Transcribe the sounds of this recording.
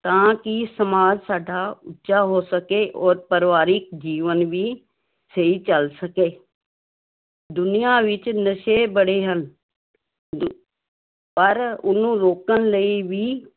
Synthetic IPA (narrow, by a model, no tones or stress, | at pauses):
t̪ãːkɪsəmaːd͡ʒsaːɖaːʊtːʃaːɦoːsəkeːʔɔːɾpəɾʋaːɾɪk̚d͡ʒiːʋənʋiː | səiːt͡ʃəlsəkeː | d̪ʊnɪjaːʋɪt͡ʃnəʃeːbəɽeːɦən | pəɾʊ̰nːũːɾoːkənləiːʋiː